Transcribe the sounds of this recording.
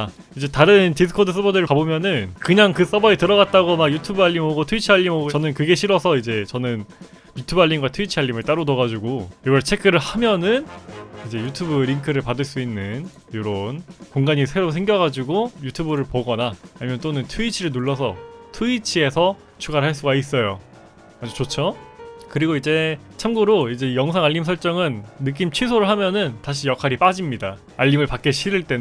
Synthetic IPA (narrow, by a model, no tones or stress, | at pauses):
a | id͡ʑe̞taɾɯntisʰɯ̥kʰodɯs͈ʰɯbʌdɯɾɯɭabomjʌnɯnkɯɲaŋkɯs͈ʌbʌitɯɾʌɣat̚t͈aɡomaɡjutʰubɯaʎːimoɡotʰuit͡ɕʰiɦaʎːimot͡ɕʌnɯnkɯɡe̞ɕʰiɾʌsʰʌid͡ʑe̞t͡ɕʌnɯn | jutʰubaɭʎːinɡwatʰuit͡ɕʰiɦaʎːimɯɭt͈aɾotʌɣad͡ʑuɡojeɡʌɭt͡ɕʰe̞kʰɯɾɯɭhamjʌnɯnid͡ʑe̞jutʰubɯɾiŋkʰɯɾɯɭpadɯɭs͈uinːɯn | joɾonkoŋɡaɲisʰe̞ɾosʰe̞ŋɡjʌɣad͡ʑiɡojutʰubɯɾɯɭpoɡʌnaːɲimjʌnt͈onɯntʰuit͡ɕʰiɾɯɭnuɭːʌsʰʌ̰tʰuit͡ɕʰie̞sʰʌ | t͡ɕʰuɡaɾɦaɭs͈uɡais͈ʌjo | ad͡ʑut͡ɕot͡ɕʰokɯɾiɡoid͡ʑe̞ | t͡ɕʰamɡuɾoid͡ʑe̞jʌŋsʰaŋaʎːimsʰʌɭt͡ɕ͈ʌŋɯnːɯk̬͈imt͡ɕʰisʰoɾɯɭɦamjʌnɯntaɕ̬ʰijʌkʰaɾip͈ad͡ʑimɲida | aʎːimɯɭpak͈eɕʰiɾɯɭt͈e̞n